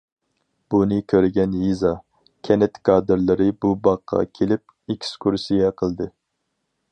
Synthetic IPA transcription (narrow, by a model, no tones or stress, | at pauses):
b̥unɨkʲʰøɾɪɡʲɛnjizɑ | kʲʰɛnɪt̪kʰɑːd̪ɨɾlˠɨɾɨbubɑqʰːɑ̰kʲʰelɪp̚ | ekʲʰskʰuɾsijɛqʰəlˠd̪ɨ